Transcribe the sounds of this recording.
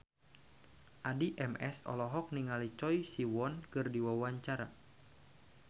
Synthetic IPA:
ʔadiʔɛmɛsɔ̰lɔɦɔk̚niŋalit͡ʃɔjsiwɔnkɨrdiwawaɲt͡ʃaɾa

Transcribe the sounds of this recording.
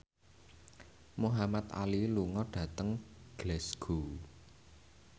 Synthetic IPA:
muɦamat̪a̰liluŋɔɖ̥ä̤t̪əŋɡ̥lɛsɡ̥o

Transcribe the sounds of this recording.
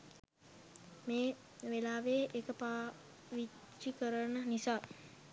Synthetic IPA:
meː | ʋelaːʋeːʔekəpaː | ʋi | t͡ʃːikəɾənənisaː

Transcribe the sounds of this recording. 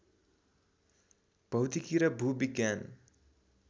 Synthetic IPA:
b̥ʌwt̪ikiɾʌbʱubiɡjan

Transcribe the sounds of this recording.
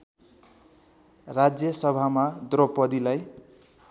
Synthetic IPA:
rad͡zjʌsʌbʱamad̪ropʌd̪ilaj

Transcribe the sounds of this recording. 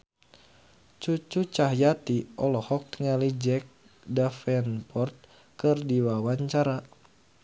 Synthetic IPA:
t͡ʃut͡ʃut͡ʃaɦjat̪iʔɔlɔhɔk̚t̪ŋalid͡ʒɛk̚ | dafɛnpɔrt̪̚ | kɨrdiwawaɲt͡ʃaɾa

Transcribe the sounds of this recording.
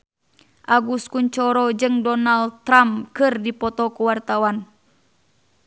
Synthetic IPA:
ʔaɡuskuɲt͡ʃɔɾɔd͡ʒɨŋdɔnalt̪ːɾamkɨrdipɔt̪ɔkuwart̪awan

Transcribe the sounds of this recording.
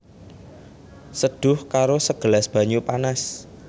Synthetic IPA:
səɖ̪̥ʊ̤hkaɾosəɡ̥ə̤lasb̥ä̤ɲupanas

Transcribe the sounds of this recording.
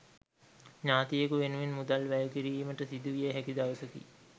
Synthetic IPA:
ɲaːt̪ijəkuʋenuʋinmud̪alʋæjəkiɾiːməʈəsid̪uʋijeɦækid̪aʋəsəkḭ

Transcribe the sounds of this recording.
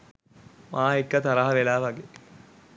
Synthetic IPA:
mʔaːekːɐt̪ɐɾɐɦɐʋelaːʋɐɡeː

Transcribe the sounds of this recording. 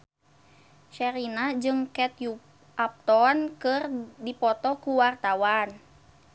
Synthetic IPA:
ʃɛɾinad͡ʒɨŋkɛt̪ju | ʔap̚t̪ɔnkɨrdipɔt̪ɔkuwart̪awan

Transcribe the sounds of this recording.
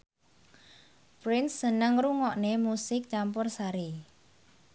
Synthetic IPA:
pɾɪnsːənəŋruŋɔʔnemusɪk̚t͡ʃampʊrsaɾi

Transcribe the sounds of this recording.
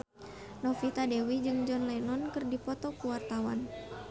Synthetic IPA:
nɔfit̪adewid͡ʒɨŋd͡ʒɔnlɛnɔnkɨrdipɔt̪ɔkuwart̪awan

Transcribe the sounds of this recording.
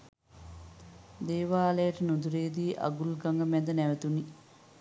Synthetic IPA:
d̪eːʋaːləjəʈənud̪uɾeːd̪iːʔa̰ɡulɡaŋɡəmɛd̪ənæʋət̪uni

